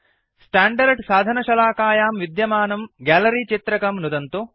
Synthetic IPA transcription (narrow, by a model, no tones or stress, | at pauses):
sʈaːɳɖɐɾɖsaːd̪ʱɐnɐʃɐlaːkaːjaːmʋid̪jɐmaːnɐmɡaːlɐɾit͡ʃit̪ɾɐkɐmnud̪ɐnt̪u